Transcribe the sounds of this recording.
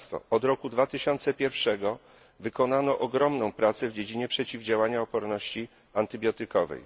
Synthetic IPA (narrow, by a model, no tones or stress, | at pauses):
t̪fɔ̰ɔd̪ɾɔkud̪vat̪ɘɕɔnt̪sɛpʲjɛɾfʂɛɡɔ | vɘkɔnanɔʔɔɡɾɔmnɔ̃w̃pɾat̪sɛvd͡ʑed͡ʑiɲɛpʂɛt͡ɕivd͡ʑawaɲaɔpɔɾnɔɕt͡ɕi | ant̪ɘbʲjɔt̪ɘkɔvɛ̰j